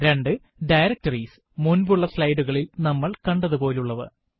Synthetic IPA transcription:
ɾe̞ɳɖɨ | ɖɐjɾɐk̚tɐrisɨ | munbuɭːɐflɐjɖuɣɐɭilnɐmːɐɭkɐɳɖɐðupo̞ːluɭːɐʋɨ̰

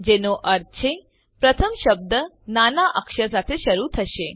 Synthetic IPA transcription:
d͡ʒenoʔəɾt͡ʃʰe | pɾət̪ʰəmʃəb̚d̪ə | nanaʔəkʃəɾs̬at̪ʰeʃəɾut̪ʰəʃe

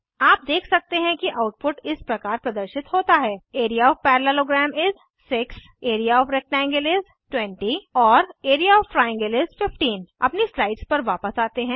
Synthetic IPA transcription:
aːp̚d̪eːkʰsɐk̚t̪eɦɛ̃kiʔaʊʈ̚pʊʈɪspɾɐkaːɾpɾɐd̪əɾʃɪt̪hoːt̪aɦɛːeːɾijaɔːʋpɛːɾlaloːɡɾɛːmɪz | sɪks | eːɾijaɔːfɾɛk̚ʈɛ̃ːŋɡəlɪz | ʈwɛ̃ɳʈiɔːɾeːɾijaɔːffɾaːjə̃ŋɡəlɪzfɪfʈiːnɐ̰pnislaɪʈspɐɾʋaːpəsaːt̪eɦɛ̃ː

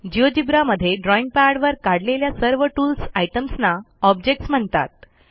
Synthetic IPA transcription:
d͡ʑiʋəd͡ʑibɾaməd̪ʱːjeɖɾɔĩŋɡ̚paɽʋəɾkaɽleljasəɾʋəʈulsajʈəmsna | ɔb̚d͡ʑek̚ʈsm̤əɳt̪a̰t̪̚

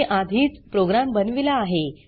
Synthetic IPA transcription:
ʔad̪ʱiːt͡spɾoɡɾambənʋilaːɦe

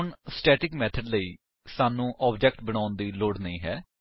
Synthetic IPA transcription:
ɳsʈɛːʈɪkmɛːt̪ʰəɖləiː | saːnũːʔɔːbd͡ʒɛːk̚ʈbəɽ̃ãːʊnd̪iːloːɖnəĩːɦɛː

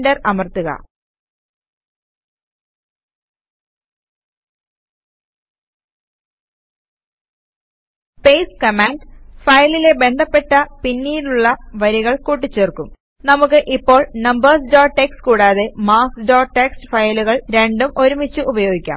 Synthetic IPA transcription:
dɐrɐmɐrt̪uɣɐ̰ | pe̞jskɐmaːnɖfɐjlile̞be̞nd̪ʱɐpːe̞ʈːɐpinːiːɾuɭːɐʋɐɾiɣɐɭkuːʈ̬ːit͡ɕːeːrkum | nɐmukːɨʔipːo̞ːɭnɐmbɐrsdoːʈekskuːɽaːðemaːsɖoːʈekstɨ̥fɐjluɣɐɭɾe̞ɳɖumʔo̞ɾumit͡ɕːuʔubɐjo̞ːɡikʲːa̰ːm

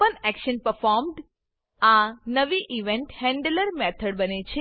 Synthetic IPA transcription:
ənɛkʃənpəɾfɔɾmɖ | anəʋiʔiʋẽɳʈhɛ̃ɳɖləɾmet̪ʰəɽbənet͡ʃʰe

